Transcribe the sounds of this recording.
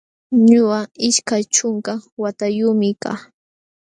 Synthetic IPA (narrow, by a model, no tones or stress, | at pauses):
ɲʊaɪʃkajt͡ʃʊŋkawat̪ajʊːmɪka̰ː